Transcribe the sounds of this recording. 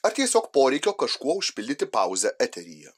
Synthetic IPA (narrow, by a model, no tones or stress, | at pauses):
ɐɾt̪ʲiɛsʲoːkpoːɾʲɛɪkʲoːkɐʃkuɔʊʃʲpʲɪlʲd̪ʲɪt̪ʲɪpɑˑʊzʲɛʔɛt̪ʲɛɾʲḭːjɛ̰